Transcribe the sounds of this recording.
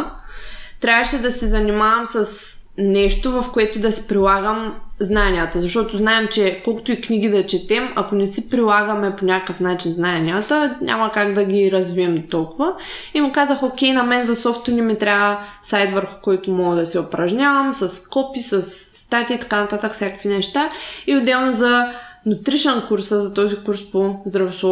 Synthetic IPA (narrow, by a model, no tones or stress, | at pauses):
t̪ɾʲavəʃɛd̪ɐsɛzɐnimavɐmsɐs | nɛʃt̪ovɐfkoɛt̪ʊd̪ɐsi̥pɾilˠaɡəmznanʲijət̪əzɐʃt̪ɔt̪oznaɛmt͡ʃɛkolˠkʊ̥t̪ʊiknʲiɡ̟id̪ɐt͡ʃɛt̪ɛmɐkonɛsipɾilˠaɡəmɛponʲakkəfnat͡ʃinznaɛnʲijət̪əɲʲʔa̰mɐkaɡd̪ɐɡʲiɾɐzviɛmt̪ɔlˠkʊvɐimukazəxokʲɛjnɐmɛnzɐsɔft̪ʊnʲimit̪ɾʲavə | sajt̪vəɾxʊ̥kɔjt̪ʊmɔɡəd̪ɐsɛʊpɾɐʒɲʲavəmsɐskɔpisəsːt̪at̪ʲiːt̪ɐ̥kanɐt̪at̪əkfsʲjakəkvinɛʃt̪aiʊd̪ɛlˠnozɐ | nʊt̪ɾiʃɛnkuɾsəzɐt̪ɔzikuɾspozd̪ɾɐvoslˠɔ